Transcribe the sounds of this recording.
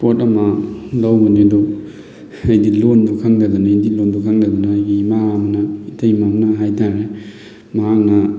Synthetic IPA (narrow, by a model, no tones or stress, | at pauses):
potɐmɐlawɡunidu | ɐjdilondukʰɐŋdɐd̪unajdilondukʰaŋdɐd̪unɐːjɡimaamɐnɐitʰɐjmamnɐɦajtʰaɾe | mɐɦak̚nɐ